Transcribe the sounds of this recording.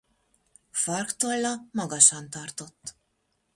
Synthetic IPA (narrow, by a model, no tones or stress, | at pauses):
fɒrkt̪olːɒmɒɡɒʃɒnt̪ɒrt̪o̞t̪ː